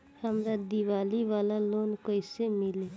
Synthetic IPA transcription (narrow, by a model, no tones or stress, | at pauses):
həmɾad̪iʋaːliʋaːlalonkoɪsemɪle